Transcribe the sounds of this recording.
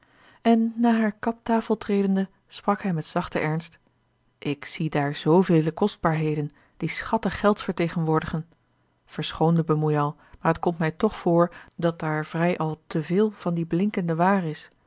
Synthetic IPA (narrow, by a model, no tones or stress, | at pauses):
ɛnːaːɦaːɹkɑp̚taːfəlˠtrejdəndə | sprɑkɦɛjmɛtsɑχtəʔɛɹnst | ʔɪksidaːɹzowvejləkɔsd̚baːɹɦejdən | d̥isχɑtəχːɛlˠtfəɹtejχənʋʊːɹdəχən | v̥əɹsχowndəbəmujɑlˠ | maːɹətkɔmtmɛjtɔχfʊːɹdɑt̚daːɹv̥rɛjʔɑlˠtəvɪːlˠv̥ɑndiblɪŋkəndəʋaːrɪs